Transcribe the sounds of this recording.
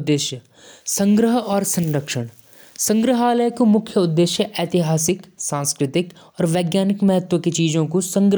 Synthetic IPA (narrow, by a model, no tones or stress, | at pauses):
d̪ːeːʃjə | sɐ̃ŋɡɾəɦɔːɾsə̃nɾəkʃəɽ̃ | sɐ̃ŋɡɾəɦaːləjkomʊkʰjəʊd̪ːeːʃjəʔɛːt̪ɪɦaːsɪksãːnskɾɪt̪ɪk | ɔːɾʋeːɡjaːnɪkmɛɦət̪woket͡ʃiːzõkusə̃ŋɡɾ